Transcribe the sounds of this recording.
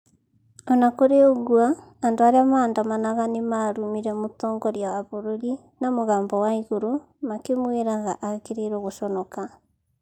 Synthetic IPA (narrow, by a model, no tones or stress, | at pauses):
ɔnakoɾeoɣwaː | ndoaɾeamaːndamanaɣanemaɾumiɾɛmotɔːŋɡɔɾjawaβoɾoɾi | namoɣaːmbɔwaiɣoɾo | makemweɾaɣa̰ʔakeɾeɾɔɣoʃɔnɔka